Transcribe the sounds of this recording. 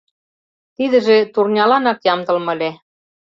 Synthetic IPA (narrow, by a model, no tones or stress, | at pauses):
t̪iðə̆ʒĕt̪urnʲɑlɑnɑkjɑmt̪ɤ̆lmɤ̆le